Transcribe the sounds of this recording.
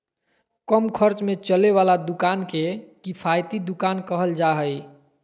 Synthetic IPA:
kəmkʰəɾt͡ʃmet͡ʃəleʋalad̪ukankekipʰajt̪id̪ukankəɦəld͡ʒaɦəj

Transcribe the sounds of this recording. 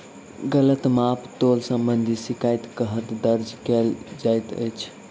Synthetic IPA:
ɡələt̪mapʰt̪olsə̃mbənd̪ʱisikajt̪kəɦət̪d̪əɾd͡ʒkɛld͡ʒajt̪ə̰jt͡ʃʰ

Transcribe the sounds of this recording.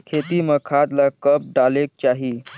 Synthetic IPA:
kʰet̪iməkʰat̪lakəp̚ɖalek̚t͡ɕaɦi

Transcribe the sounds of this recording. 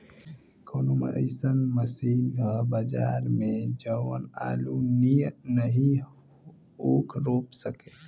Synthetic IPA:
kʰoːnomə̰ɪsənməsiːnɡʱabəd͡ʒa̰ːɾmẽd͡ʒəwəna̰ːluninəɦĩ | oːkʰɾoːpsəkeː

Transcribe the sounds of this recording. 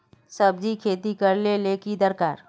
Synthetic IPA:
sɐb̚d͡ʒikʰeːt̪ikɐɾleleːkid̪əɾkaːɾ

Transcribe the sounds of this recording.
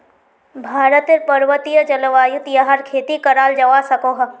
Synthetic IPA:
bʱaːɾət̪eɾpɐɾʋət̪ijəd͡ʒɐləʋaːjut̪jaɦaɾkʰeːt̪ikɐɾaːld͡ʒɐʋaːsɐkoːɦɐ

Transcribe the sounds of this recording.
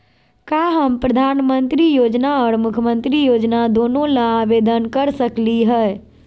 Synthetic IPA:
kaːɦəmpɾəd̪ʱaːnmə̃nt̪ɾijoːd͡ʒnaɔːɾmʊkʰəmə̃nt̪ɾijoːd͡ʒnad̪oːnõlãaʋeːd̪ənkəɾsəkliɦɛ

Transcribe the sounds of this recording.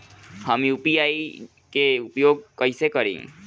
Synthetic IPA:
hɐmjuːpiaːi | keʊpjoːɡ̚kɐisekɐɾḛ̃ːŋ

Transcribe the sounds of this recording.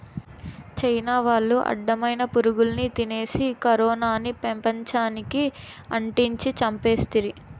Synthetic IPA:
t͡ʃɐjnaːʋaːɭːuʔɐ̰ɖːɐmɐjnɐpuɾuɡulnit̪ine̞ːsikɐɾɔːnaːnipempɐɲt͡ʃaːniki | ɐɳʈiɲt͡ʃit͡ʃɐmpe̞ːst̪iɾi

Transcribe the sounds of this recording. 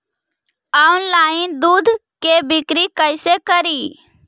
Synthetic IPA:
aʊnlaːɪnd̪uːd̪ʱkebɪkɾikəɪsekəɾiː

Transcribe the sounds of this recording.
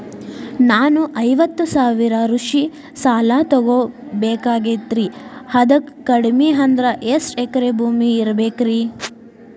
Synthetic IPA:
naːnuʔɐjʋɐt̪ːusaːʋiɾɐɾuʂi | saːlaːt̪ɔɡobɛːkaːɡet̪ɾihɐd̪ɐkːɐɽmiɦɐnd̪ɾɐʔesʈekɐɾebʱuːmiːɾɐbeːkɾi

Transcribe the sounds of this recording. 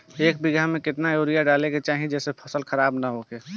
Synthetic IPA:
eːk̚bɪɡamẽkɪt̪najoːɾijaɖaːleket͡ʃaːɦĩd͡ʒɛːsepʰəsəlxəɾaːbnaɦokeː

